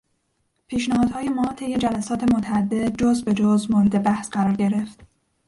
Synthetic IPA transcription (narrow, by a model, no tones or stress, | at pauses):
pʰiːʃnæhɒːd̪hɒːje̞mɒːt̪ʰe̞jːe̞d͡ʒælæsɒːt̪ʰe̞mot̪ʰæːd̪ːe̞dd͡ʒozbe̞d͡ʒozmoɾed̪e̞bæhsɢæɾɒːɾɟe̞ɾe̞ft̪